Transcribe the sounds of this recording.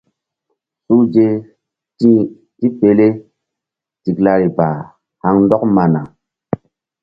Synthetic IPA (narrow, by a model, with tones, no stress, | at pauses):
su˦d͡ʒe˦ | i˦ | ti˦pe˨le˦ | ti˨kla˧ɾi˨ba˨ | ha˦ŋn˦dɔ˦k̚ma˨na˨